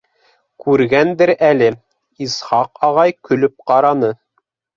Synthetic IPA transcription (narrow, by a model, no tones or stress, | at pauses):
kʉɾɡænd̪ɘɾælɘ | isχɑqɑʁɑjkɵ̆lɵp̚qɑɾɑnɤ